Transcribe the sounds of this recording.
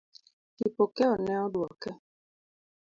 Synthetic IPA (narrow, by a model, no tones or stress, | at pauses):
kipokɛɔnɛɔdwɔkɛ